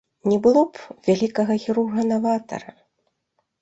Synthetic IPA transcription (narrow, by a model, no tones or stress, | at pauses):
nʲɛbɨlˠɔpvʲalʲikɐɣɐɣʲiɾurɣɐnavat̪ɐ̰ɾɐ